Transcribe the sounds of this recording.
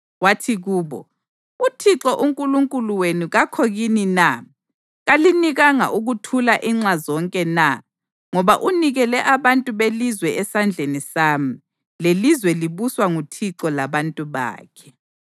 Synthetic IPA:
watʰiɣuːβɔ̰ | utʰiǁɔʔuŋkʼuluŋkʼuluwenuɣakʰoɣinina | ɣaliniɣaŋa̰ʔuɣutʰulaʔiŋ͡ǁazɔŋkʼɛna | ŋɔβa̰ʔuniɣɛlɛʔaβantʼuβelizwɛɛsand͡ɮʱenisaːmi | lelizwɛliβuswaŋutʰiǁɔlaβantʼuβa̰ːkʰɛ̥

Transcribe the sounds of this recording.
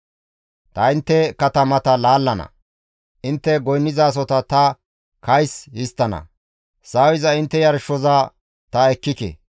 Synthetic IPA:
t̪ɐɪnt̪ːɛkɐt̪ɐmɐt̪ɐlaːlːɐnɐ̰ | ʔɪnt̪ːɛɡɔjnːɪzaːs̬ɔt̪ɐt̪ɐ | kɐjshɪst̪ːɐnɐ̰ | saːwɪzɐɪnt̪ːɛjɐɾʃːɔza | t̪ɐɛkːɪkḛ

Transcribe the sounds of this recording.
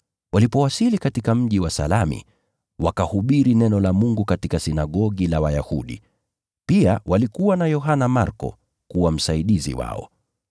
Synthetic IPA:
walipɔwasilikatikam̩ʄiwasa̰lamḭ | wakahuɓiɾinɛnɔlamuŋɡukatikasinaɠɔɠilawajahṵɗḭ | piawalikuwanajɔɦanamaɾkɔ̰ | kuwam̩saiɗizḭwa̰ɔ̰

